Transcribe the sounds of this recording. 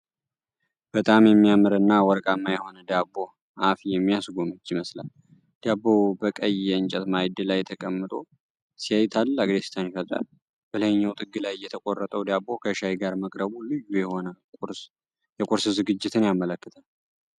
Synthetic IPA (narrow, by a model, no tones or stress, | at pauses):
b̥ət̪ʼamjɛmːijamɨɾɨnːawɔɾkʼamːajɛho̞nəd̪abo̞ | ʔafjɛmːijasɡo̞mɨt͡ʃːiməsla̰l | d̪̥abobəkʼəjɛɨnt͡ʃʼɛt̪majd̪ɨlajt̪ʰəkʼəmːɨt̪ʼo̞ | sijajt̪ʰalaɡd̪est̪ʰanjifət̪ʼa̰ | bələɲːawt̪ʼɨɡːɨlajːɛt̪ʰəkʼorːət̪ʼəwd̪abo̞kʰəʃajɡaɾməkʼɾəβulɨjujɛho̞nə | jɛkʼʊɾsɨzɨɡɨd͡ʒːɪt̪ʰɨnjamələkːɨt̪ʰal